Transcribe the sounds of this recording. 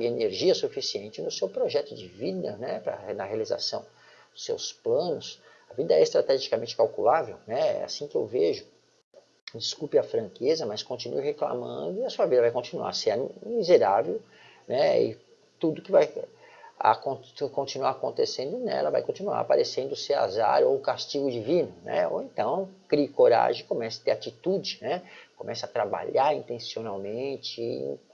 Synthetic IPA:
ieneɾʒiɐsufisiẽnt͡ʃɪnʊsewpɾoʒɛt̪ʊd͡ʒɪvid̪ɐnɛpɾɐ̰nɐhealiza̰sɐ̰̃w̃ | d̪ʊsḛwsplɐ̃nʊs | ɐvid̪ɐɛɪst̪ɾat̪ɛʒikamẽnt͡ʃɪ̥kawkulavewnɛɛ̰a̰sĩkɪḛwveʒʊ | d͡ʒiskupɪɐfɾɐ̃kezɐmɐskõnt͡ʃĩnuɪhekla̰mɐ̰̃d̪ʊɪɐsuɐvid̪ɐvajkõt͡ʃinua̰ɾsɪɛmizeɾavew | nɛɪ̰ | t̪ud̪ʊkɪvaj | a̰kõkõt͡ʃinuaɾakõnt̪esẽnd̪ʊnɛ̰lɐva̰jkõnt͡ʃinua̰ɾapaɾesẽnd̪ʊsea̰za̰ɾowkast͡ʃiɡʊd͡ʒivĩnʊnɛ̰o̰ẽnt̪ɐ̃w̃kɾikoɾa̰ʒẽj̃kõmɛsɐ̥t̪eɾat͡ʃit̪ud͡ʒɪnɛkõmɛsɐat̪ɾaba̰ʎaɾĩnt̪ẽsionawmẽt͡ʃɪ̰̃

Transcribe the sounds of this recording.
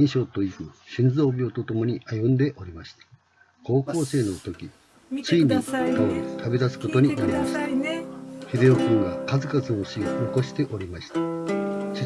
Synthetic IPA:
iɰ̃ɕo̞ːt̪o̞ikɯ̟ɕĩnd͡zo̞ːbʲiot̪o̞t̪o̞mo̞ɲ̟iʔajɯ̟̃nd̪e̞ʔo̞ɾʲimaɕi̥t̪ḁ | ko̞ːko̞ːse̞ːno̞t̪o̞kʲi | t͡ɕiːɲʲik̪aoɾit̪ʰabed̪asɨ̥ko̞t̪o̞ɲ̟inaɾʲimaɕi̥t̪a | hed̪e̞okɯ̃ŋɡakazɨkazɨo̞ɕiooko̞ɕi̥t̪e̞ʔo̞ɾʲimaɕi̥t̪ḁɕi

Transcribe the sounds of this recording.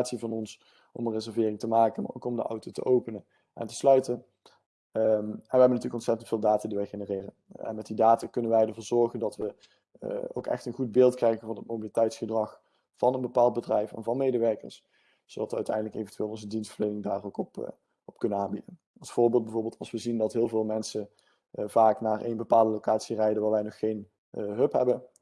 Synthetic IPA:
aːtsivɑnɔns | ʔɔ̰mənrezɛɹvɪːrɪŋtəmaːkənma̰ɹo̰wkɔmdəʔɑ̰wtotə̰ʔowpənən | ʔɛ̰ntə̥slœɥtən | ɛnʋəɦɛbəntyːləkɔnsɛtəntfɪːlˠdaːtadiʋɛjχenərɪːrənɛ̰nmɛtdidaːtakɵnənʋɛjdəɹvʊːɹzɔɹχəndɑtʋə | o̰wkɛ̰xtənχud̚bɪːlˠtkrɛjɣənvɑnɦət̚mowbilitɛjtsχədrɑχ | fɑnənbəpaːlˠt̚bədrɛjfɛ̰nvɑnmejdəʋɛɹkə̰ɹs | sowdɑtʋəœɥtɛ̰jndələkḛjvəntyʋeːlˠɔnzədinstfəɹlejnɪŋdaːrowkɔp | ɔp̚kɵnənaːnbidən | ɑlˠsfʊːɹbɪːlˠt̚bɛjvoːɹbeːlˠtɑlˠsʋəzindɑtɦɪːlˠvɪːlˠmɛnsə | v̥aːknaːrʔḛjnbəpaːlˠdəlowkaːtsirɛjdəʋaːlʋɛjnɔχːejn | ɦɵpɦɛbən

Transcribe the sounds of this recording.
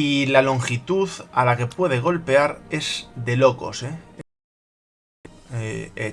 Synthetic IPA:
ilalo̞ŋxit̪uθalake̞pwe̞ð̞e̞ɣ̞o̞lpe̞aɾe̞zd̪e̞lo̞ko̞̰se | ee

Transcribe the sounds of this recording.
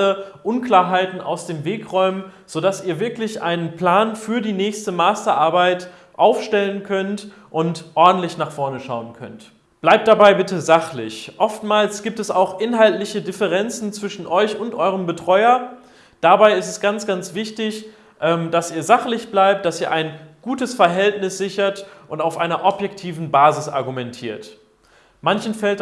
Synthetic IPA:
əʔʊnkl̥aːɐɦaɪtn̩ʔa̰ʊsd̥eːmveːkʁɔʏmən | z̥odasiːɐvɪɐklɪçʔaɪnənpl̥aːnfyːɐdiːnɛːçstəmaːstɐʔaɐbaɪt | ʔaʊfʃtɛlənkʰœnt | ʔʊntʔɔɐdn̩tlɪçnaːχfɔɐnəʃa̰ʊənkʰœ̰nt | b̥laɪp̚td̥abaɪbɪtəzaχlɪ̰çʔɔftmaːlsɡ̥iːp̚tɛsaʊxʔɪnɦaltlɪçədɪfəʁɛnt͡sn̩t͡sv̥ɪʃn̩ʔɔʏçʊntʔɔʏʁəmbətʁ̥ɔʏɐ | d̥abaɪɪstɛsɡ̥ant͡sɡ̥ant͡sv̥ɪçtɪç | ʔɛːmd̥asiːɐzaχlɪçb̥laɪp̚t̚d̥asiːɐʔaɪnɡ̥uːtəsfɛɐɦɛltnɪsz̥ɪçɐtʔʊntaʊfʔaɪnɐʔɔpjɛktʰiːvn̩baːzɪsʔa̰ɐɡumɛntʰiːɐt | mançn̩fɛlt

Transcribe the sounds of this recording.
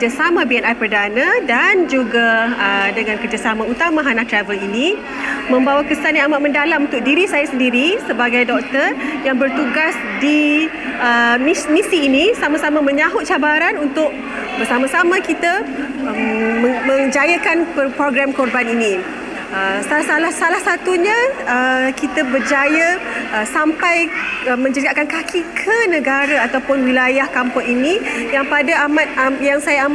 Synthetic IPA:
d͡ʒasamãbiɛnajpərdanãdand͡ʒuɡaədəŋãnkərd͡ʒasamãut̪amãɦanat̪ɾavəlini | mə̃mbawakəsanjaamaʔmə̃ndalamunt̪ʊk̚diɾisajasəndiɾisəbaɡajdɔk̚t̪ərjaŋbərt̪uɡas | di | əninĩsiːnĩsamãsamãmə̃ɲãɦʊt̪̚t͡ʃabaɾanunt̪ʊʔ̚ | bərsamãsamãkit̪aəmə̃mə̃ŋd͡ʒajakanppɾoɡɾamkɔrbaninĩ | əsasalahsalahsat̪uɲãəkit̪abərd͡ʒajaəsampajəmə̃ɲd͡ʒəɡaʔkankakʰikʰənə̃ɡaɾaat̪awpʊnwilajahkampʊŋinĩjaŋpadaamat̪̚jaŋsajaam

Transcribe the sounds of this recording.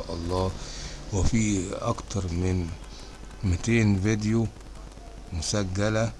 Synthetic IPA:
ʔɑlˤːɑːwɪfiːʔɑ̰kt̪ɑɾˤmɪn | mɪt̪eːnved̪ju | mʊsæɡːælæ

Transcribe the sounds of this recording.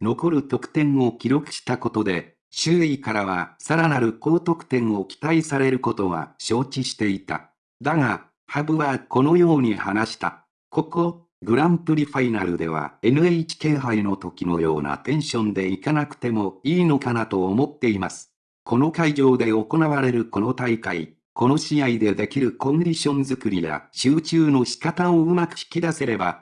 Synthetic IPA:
no̞ko̞ɾɯ̟t̪o̞kɯ̟̥t̪ẽ̞ɰ̃o̞kʲiɾo̞kɯ̟̥ɕi̥t̪ako̞t̪o̞d̪e̞ | ɕɨːikaɾaβasaɾanaɾɯ̟ko̞ːt̪o̞kɯ̥t̪ẽ̞ɰ̃o̞kʲi̥t̪aisaɾe̞ɾɯ̟ko̞t̪o̞ɡa̰ɕo̞ːt͡ɕiɕi̥t̪e̞it̪a̰ | d̪aɡa | habɯ̟βako̞no̞jo̞ːɲ̟ihanaɕi̥t̪a̰ | ko̞ko̞ | ɡɯ̟ɾãmpɯ̟ɾʲiɸainaɾɯ̟d̪e̞̰β̞a̰e̞nɯ̟eit͡ɕi̥ke̞ːɦaino̞t̪o̞kʲino̞̰jo̞̰ːna̰t̪ẽ̞ɰ̃ɕõ̞nd̪e̞ikanakɯ̟̥t̪e̞mo̞iːno̞kanat̪o̞ːmo̞t̪ːe̞imasɨ̥ | kʰo̞no̞kaiʑo̞ːd̪e̞o̞ko̞naβaɾe̞ɾɯ̟ko̞no̞t̪aikai | ko̞no̞ɕijaid̪e̞d̪e̞kʲiɾɯ̟kõ̞nd̪ʲiɕõ̞nzɨkɯ̟ɾʲija̰ɕɨːt͡ɕɨːno̞çi̥kat̪ãoɯ̟makɯ̟çi̥kʲid̪ase̞ɾe̞ba

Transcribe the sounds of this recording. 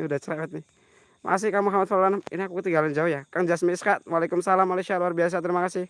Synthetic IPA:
udaht͡ʃəɾawɛt̪̚nɪ | ma̰kas̬ɪhkamuɦamat̪̚falulanaminiakukət̪iŋɡaland͡ʒaujakaŋd͡ʒasmiiskat̪̚walekʊmsalamaleʃialuarbias̬at̪əɾimakasɪh

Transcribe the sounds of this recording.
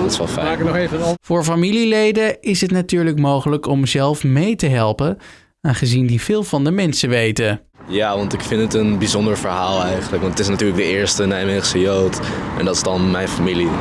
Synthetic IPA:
tɪ̥sʋɑlˠfɛ̰aːkənɔχejvənv̥ʊːɹfamililejdəɪsɦətnatyːɹləkmowχələkɔmzɛlˠfmejtəɦɛlˠpə | aːχəzindiv̥ɪːlˠvɑndəmɛnsəʋejtə | jaːʋɑntɪkfɪntətənbizɔndəɹvəɹɦaːlˠɛjχənləkʋɑntətɪsnatyːɹləɡ̚dəɪːɹstənɛjmeχsəjowtɛ̰ndɑtɪ̥zdɑnmɛjnfamili

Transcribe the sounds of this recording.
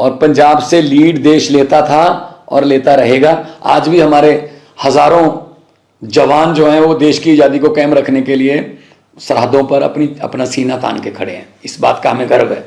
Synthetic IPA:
ɔːɾpɐ̃ɲd͡ʒaːbseliːɖd̪eːʃleːt̪at̪ʰaɔ̰ːɾleːt̪aɾɐɦeːɡaːa̰ːd͡ʒbʱiɦɐmaːɾe | hɐzaːɾõ | d͡ʒɐʋaːnd͡ʒoːɦɛ̃ʋod̪eːʃkiɪd͡ʒaːd̪ikokɛːmɾɐkʰnekelie | sɐɾɦəd̪õpɐɾɐ̰pniɐ̰pnasiːnat̪a̰ːnkekʰɐɽḛɦɛ̰̃ːɪsba̰ːt̪kaɦɐmẽkɐɾʋɦɛ̰ː

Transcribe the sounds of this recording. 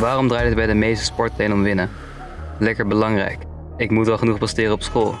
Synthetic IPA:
ʋaːrɔmdraːjtədbɛjdəmejstə̥spɔɹtejnɔmʋɪnə | lɛkəɹbəlɑŋrɛ̰jk | ɪkmutʋɛlˠχənuχpɑstɪːrəɔpsχoːlˠ

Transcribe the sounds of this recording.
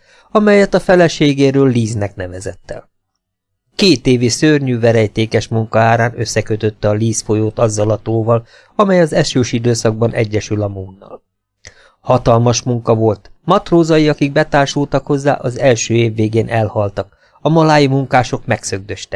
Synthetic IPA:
ɒmɛjɛt̪ɒfɛlɛʃeːɡeːɾøːlːiːznɛknɛvɛzɛt̪ːɛ̰l | keːt̪eːvisørɲyːvɛɾɛjt̪eːkɛʃmuŋkɒaːɾaːnøsːɛkø̞t̪ø̞t̪ːɛɒliːsfo̞joːt̪ɒzːɒlɒt̪oːvɒl | ɒmɛjɒzɛʃøːʃid̪øːsɒɡ̚bɒnʔɛɟːɛʃylɒmuːnːɒ̰l | hɒt̪ɒlmɒʃmuŋkɒvo̞lt̪mɒt̪roːzɒjiɒkiɡ̚bɛt̪aːrʃult̪ɒkho̞zːa̰ːʔɒzɛlʃøːeːvːeːɡeːnʔɛlhɒlt̪ɒk | ɒmɒlaːjimuŋkaːʃo̞kmɛksø̞ɡ̚d̪ø̞ʃt̪ɛ̥k

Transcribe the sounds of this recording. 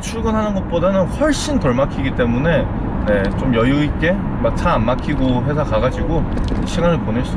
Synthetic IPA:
t͡ɕʰuɭɡʌnɦanɯnɡʌt̚p͈odanɯnɸwʌɭɕ͈intʌɭmakʰiɡit͈e̞mune̞ | ne̞t͡ɕ͈omjʌjuik͈e̞ | mak̚tʰaːnmakʰiɡoɦe̞sʰakaɡad͡ʑiɡoɕʰiŋanɯɭpone̞s͈u

